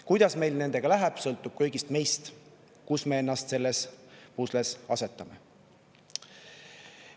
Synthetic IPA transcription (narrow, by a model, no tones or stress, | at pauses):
kujd̪̥ɑsme̞jlne̞nd̪̥e̞ɡ̥ɑlæɦɛb̥sɤ̞lt̪ːˑub̥̚kɤjɡist̪me̞jst̪ | kusmee̞nːɑst̪se̞lːespuslesɑ̰se̞t̪ːˑɑme̞